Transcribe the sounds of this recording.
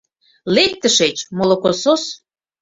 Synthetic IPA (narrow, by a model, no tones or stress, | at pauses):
lek̚t̪əʃet͡ɕmolokosos